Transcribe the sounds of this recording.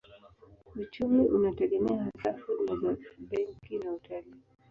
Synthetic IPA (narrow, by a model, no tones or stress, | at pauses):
ut͡ʃumiʔunatɛɡɛmɛaɦasafudmazabɛŋkinautali